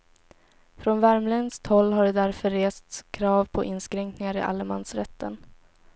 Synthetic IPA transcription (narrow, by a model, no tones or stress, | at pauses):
fɾɔnvæɾmlɛnst̪hɔlːɦaɖɛd̪æɾfœɾeːst̪kʰɾɑːvpʰɔʔɪnːskɾɛŋknɪŋaɾɪ̰ʔa̰lːəmansɾɛt̪ʰːən